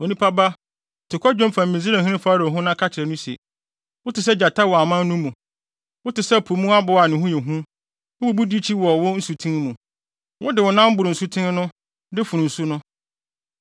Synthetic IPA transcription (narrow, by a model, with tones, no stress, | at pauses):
o˨nĩ˦pʰa˦ba˦˨ | tʰɪ˨kʰʷɔ˦d͡ʑᶣʊ̃˦mfã˨mĩ˨zi˦ɾe˦˨ɦĩ˦nɪ̃˦faː˦ɾɔ˨ɦʊ̃˦nã˦kʰa˦t͡ɕʰɪ˨ɾɛ˨nʊ̃˦si˨ḛ˨ | wʊ˦tɪ˨s̬ɛ˦d͡ʑa˨tʰa˦wɔ˨a˨mã˦n˦nũ˦mũ˨ | wʊ˦tɪ˨sɛ˦˨pʰu˨mũ˦a˦bʊ˦˨a˨nɪ̃˨ɦũ˦jɛ˨ɦũ˦ | ʊ˦bu˦bu˦di˦t͡ɕʰi˦wɔ˨wʊ˦n̩˦su˨tʰĩ˦n˦mũ˨ | wʊ˦dɪ˨wʊ˨nã˦m̩˦bʊ˨ɾʊ˨n̩˨su˦tʰɪ̃˦n˦nʊ̃˦ | dɪ˦fʊ˨nũ˨n̩˨su˦nʊ̃˦